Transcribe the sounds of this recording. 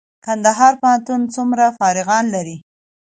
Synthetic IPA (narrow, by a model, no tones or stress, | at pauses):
kand̪aɦɑɾpəɦant̪unt͡sumɾafɑɾɪɣɑnlaɾi